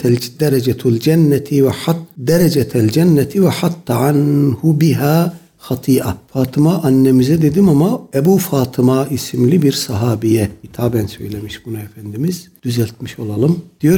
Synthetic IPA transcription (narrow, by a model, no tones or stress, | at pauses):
d̪ɛɾɛd͡ʒɛt̪ʰld͡ʒænːɛt̪ʰivɛħat̪ːd̪ɛɾɛd͡ʒɛt̪ʰæld͡ʒænːɛt̪ʰivɛħat̪ːʕanhubiɦaː | xɑt̪ʰiːʔafaːt̪ʰɯmaʔanːɛmizɛd̪e̞d̪imamaɛbuːfaːt̪ʰɯmaʔisimlʲibiɾsɑɦaːbijɛhit̪ʰaːbænsø̞̰jlʲemiʃbunuɛfænd̪imiz̥d̪̥yzælʲt̪̚miʃo̞lˠalˠɯmd̪̥ijo̞ɾ